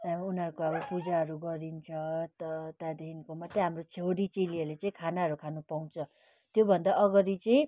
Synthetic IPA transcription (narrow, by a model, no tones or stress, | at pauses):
unɦʌɾukoʌbʌpud͡zaɦʌɾuɡʌɾint͡sʰʌt̪t̪ad̪einkomʌt̪ːeɦamrot͡sʰewɽit͡seliʌrlet͡sʌĩkʰanaɦʌɾukʰanupaw̃t͡sʰʌ | t̪jobʱʌnd̪aʔʌɡʌɾit͡sʌĩ